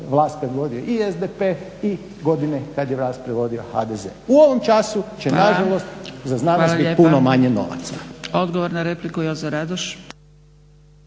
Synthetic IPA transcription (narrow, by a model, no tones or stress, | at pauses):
ʋlˠaːst̪̚pɾed̪ʋo̞d̪ioʔiezd̪epe | i | ɡo̞d̪inekad̪jeʋlˠaːst̪̚pɾed̪ʋo̞d̪ioxa̰d̪ezḛuoʋomt͡ʃasut͡ɕenaʒalost̪zaznanʋoalaʎiːpunomaɲeno̞̰ʋa̰t̪sao̞d̪ɡoʋoɾnaɾeplikujozaɾad̪oʃ